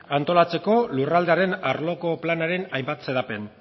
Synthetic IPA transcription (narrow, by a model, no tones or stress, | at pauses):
ant̪o̞lat͡se̞ko̞lurald̪e̞aɾe̞naɾlo̞ko̞planaɾe̞najmbat̪se̞ðape̞n